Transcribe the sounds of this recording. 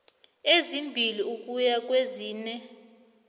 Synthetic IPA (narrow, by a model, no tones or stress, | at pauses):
ezimbʱiliukʼujakʼweziːnɛ